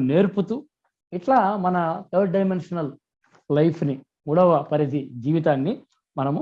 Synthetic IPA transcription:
ne̞ːɾput̪uː | iʈlaːmɐnɐt̪ʰɐɾʈ̚ɖɐjmenʂɐnɐl | lɐjpʰni | muːɽɐʋɐpɐɾid̪id͡ʒiːʋit̪aːnːi | mɐnɐmu

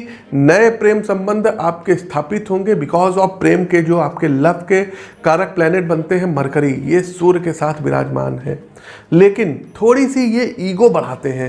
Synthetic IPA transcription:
nɐepɾeːmsɐ̃mbə̃nd̪ʱaːp̚kest̪ʰaːpɪt̪ɦõːŋɡebɪkɔːzɔːfpɾeːmked͡ʒoːaːpkelɐbʰʱkekaːɾək̚plɛːneʈ̚bɐ̃nt̪eɦɛ̃mɐɾkəɾijesuːɾkesaːt̪ʰbɪɾa̰ːd͡ʒma̰ːnɦɛ̰̃ː | leːkɪnt̪ʰoːɽisijeʔiːɡobɐɽ̤aːt̪eɦɛ̃ː

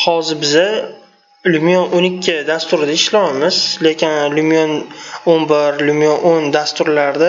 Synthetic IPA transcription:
hɒzɪɾbɪza | lumjonʔʊnɪkʲʰːɪd̪ast̪ʊɾɪd̪aɪʃlawamɪzle̞kʲɪnlumjononbɪɾlumjonʔond̪ast̪ʊɾlaɾd̪a

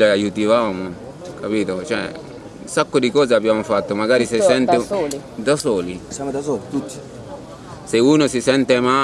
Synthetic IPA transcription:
leajut̪ivaːmo | kʰapiːt̪ot͡ʃɛ̰ | unsakːod̪ikɔːzeabːjaːmofat̪ːomaɡaːɾisesɛnt̪ed̪asoːlisjamd̪asoːlit̪ut̪ːi̥ | seuːnosisɛnt̪ema

